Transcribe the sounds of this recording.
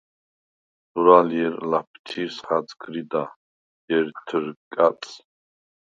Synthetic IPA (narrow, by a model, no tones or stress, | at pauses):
duɾaljɛɾlap̚ʰt̪ʰisχat͡skʰɾid̪a | jɛɾt̪ʰəɾkʼat͡sʼ